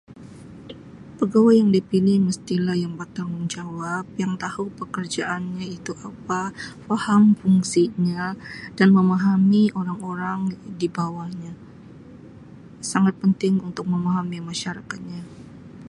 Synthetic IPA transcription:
pəɡawajjaŋdipilɪhməst̪ilahjaŋbat̪arŋund͡ʒawap̚jaŋt̪ahupəkərd͡ʒaʔanɲait̪uʔapafahamfuŋsiɲadanməmaɦamioɾaŋoɾaŋdibawaɲa | saŋat̪̚pənt̪ɪŋunt̪ʊk̚məmaɦamimaʃaɾakat̪̚ɲa

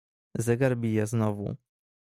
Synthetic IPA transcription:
zɛɡaɾbʲijɛznɔvṵ

